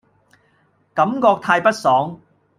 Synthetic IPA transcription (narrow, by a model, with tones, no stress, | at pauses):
kɐ˨˥mkɔː˧k̚t̪ʰaː˧jpɐ˥t̚sɔː˨˥ŋ